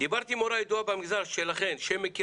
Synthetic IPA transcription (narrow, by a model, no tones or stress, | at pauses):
d̪ibaʁt̪imoɾajed̪uabamiɡzaʁʃelaχe̞nʃemːeki